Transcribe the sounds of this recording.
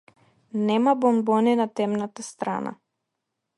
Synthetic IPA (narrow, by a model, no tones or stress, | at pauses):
nɛmabɔmbɔninat̪ɛmnat̪ast̪ɾa̰na̰